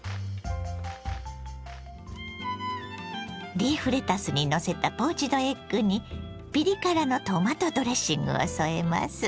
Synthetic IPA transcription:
ɾʲiːɸɯ̟ɾe̞t̪asɨɲ̟ino̞se̞t̪apo̞ːt͡ɕid̪o̞ekːɯɲ̟i | pʲiɾʲikaɾano̞t̪o̞mat̪o̞d̪o̞ɾe̞ɕːĩŋɡɯ̰o̰so̞e̞ma̰sɨ

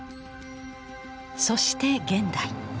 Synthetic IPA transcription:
so̞ɕi̥t̪e̞ɡẽ̞nd̪ai

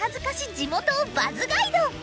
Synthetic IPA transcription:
hazɨkaɕid͡ʑimo̞t̪oːbazɨɡaid̪o

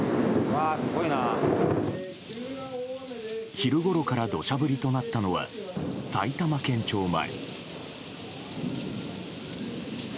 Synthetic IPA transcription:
βaːsɨɡo̞ina | çiɾɯ̟ɡo̞ɾo̞kaɾad̪o̞ɕabɯ̟ɾʲit̪o̞nat̪ːano̞βa̰ | sa̰it̪amakẽ̞ɲ̟t͡ɕo̞ːma̰ḛ

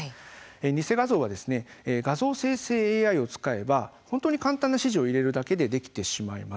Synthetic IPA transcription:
eɲ̟ise̞ɡazo̞ːβ̞ad̪e̞sɨne̞eɡazo̞ːse̞ːse̞ːeːaio̞t͡sɨ̥kae̞bahõ̞nt̪oːɲ̟ikãnt̪ãnːaɕiʑio̞iɾe̞ɾɯ̟d̪ake̞d̪e̞d̪e̞kʲi̥t̪e̞ɕimaḭma

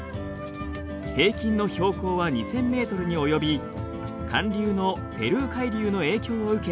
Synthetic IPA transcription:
he̞ːkʲĩnno̞ço̞ːko̞ːβaɲ̟isẽ̞mːe̞ːt̪o̞ɾɯ̟ɲ̟io̞jo̞bʲi | kʰãɲɾʲɨːno̞ | pe̞ɾɯ̟ːkaiɾʲɯːno̞e̞ːkʲo̞ːoɯ̟ke̞

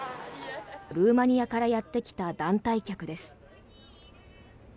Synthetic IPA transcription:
ɾɯ̟ːmaɲ̟ijakaɾajat̪ːe̞kʲi̥t̪ad̪ãnt̪aikʲakɯ̟d̪e̞sɨ̥

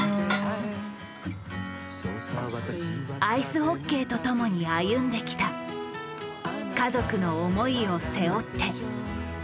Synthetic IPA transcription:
aisɨho̞kːe̞ːt̪o̞t̪o̞mo̞ɲ̟iajɯ̃nd̪e̞kʲi̥t̪a | kazo̞kɯ̟no̞ːmo̞io̞se̞o̞t̪ːe̞

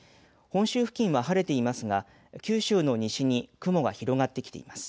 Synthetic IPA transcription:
hõ̞ɰ̃ɕɨːɸɯ̟̥kʲĩɰ̃βaɦaɾe̞t̪e̞imasɨɡa | kʲɨːɕɨːno̞ɲ̟iɕiɲ̟ikɯ̟mo̞ɡa̰çiɾo̞ɡat̪ːe̞kʲi̥t̪e̞̰ḭmasɨ̥

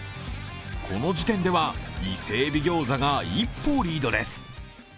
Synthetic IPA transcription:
kʰo̞no̞d͡ʑit̪ẽ̞nd̪e̞βaise̞ːbʲiɡʲo̞ːzaɡaipːo̞ːɾʲiːd̪o̞d̪e̞sɨ̥

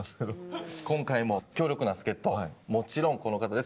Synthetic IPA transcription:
sked̪okõ̞ŋkaimo̞kʲo̞ːɾʲo̞kɯ̟nasɨ̥kʲe̞t̪ːo̞mo̞t͡ɕiɾõ̞ŋko̞no̞kat̪ad̪es

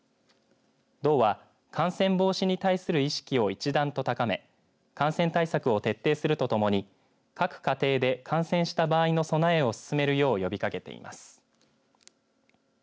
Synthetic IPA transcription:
d̪o̞ːβa | kãɰ̃sẽ̞mbo̞ːɕiɲ̟it̪aisɨɾɯ̟iɕi̥kʲio̞it͡ɕid̪ãnt̪o̞t̪akame̞̰ | kãɰ̃sẽ̞nt̪aisakɯ̟o̞t̪e̞t̪ːe̞ːsɨɾɯ̟t̪o̞t̪o̞mo̞ɲ̟i | kakɯ̟̥kat̪e̞ːd̪e̞kʰãɰ̃sẽ̞ɰ̃ɕi̥t̪abaːino̞so̞nae̞o̞sɨ̥sɨme̞ɾɯ̟jo̞ːjo̞bʲikake̞t̪ḛḭmʔa̰sɨ̥

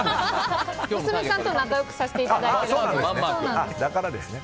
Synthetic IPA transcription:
osɨmesãnt̪onãkajo̞kɯ̟̥sase̥t̪eit̪ad̪aiessoːnãnd̪esoːnãnaed̪akaɾad̪e̞sɨne̞

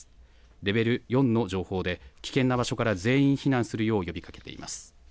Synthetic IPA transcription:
ɾe̞be̞ɾɯ̟jõ̞nːo̞ʑo̞ːho̞ːd̪e̞kʲi̥kẽ̞nːaβaɕo̞kaɾaze̞ːĩɰ̃çinãɰ̃sɨɾɯjo̞ːjo̞bʲikake̞t̪e̞ḭma̰sɨ̥

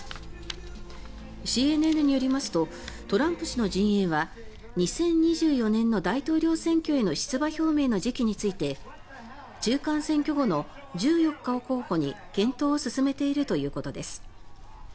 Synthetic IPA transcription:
ɕiːe̞nɯenɯ̟ɲ̟ijo̞ɾʲimasɨ̥t̪o̞ | t̪o̞ɾãmpɯ̟ɕino̞ʑĩɰ̃jẽɰ̃βa | ɲ̟isẽ̞ɲ̟ɲiʑɨːjo̞nẽ̞nːo̞d̪ait̪o̞ːɾʲo̞ːsẽ̞ŋkʲo̞e̞no̞ɕi̥t͡sɨbaço̞ːme̞ːno̞d͡ʑikʲiɲ̟it͡sɨit̪e̞ | t͡ɕɨːkãɰ̃sẽ̞ŋkʲo̞ɡo̞no̞ | d͡ʑɨːjo̞kːaoko̞ːho̞ɲ̟ḭ | kẽ̞nt̪o̞ːsɨsɨme̞t̪e̞iɾɯ̟t̪o̞jɯ̟ːko̞t̪o̞d̪e̞sɨ̥

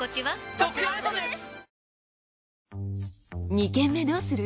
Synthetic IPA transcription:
kot͡ɕiβat̪okaoe | ɲikẽ̞mːe̞d̪oːsɨɾɯ̟

